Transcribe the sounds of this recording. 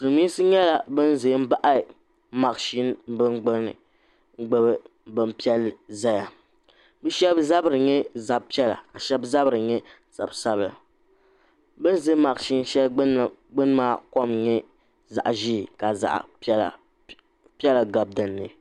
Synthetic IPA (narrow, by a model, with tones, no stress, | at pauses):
tɨ˨lɨ˨mi˦sɨ˦ɲɛ˦la˨bɨ˦n˦zɨ˨˦m̩˦ba˦ʔa˦˨ | ma˨kʃi˦n˦bɨ˦ŋɡ͡bɨ˦nɨ̰˨ | ŋ˦ɡ͡bɨ˦bɨ˦ | bɨ˦mpi˦ɛ˦lza˦ja˨ | bɛ˦ʃɛ˦bza˦bɨ˨ɾɨ˨ɲɛ˦za˨b̚pi˦ɛ˦la̰˨a˨ʃɛ˦bza˦bɨ˨ɾɨ˨ɲɛ˦ | z̥a̰˨bsa˦bla̰˨ | bɨ˦n˦zɨ˦ma˨kʃi˦n˦ʃɛ˦lɡ͡bɨ˦n˦maː˦ko˦mɲɛ˦ | za̰˨ʔʒi˦˨ka˨za̰˨ʔla̰˨ | pi˦ɛ˦la˨ɡa˨b̚dɨ˨nːɨ˨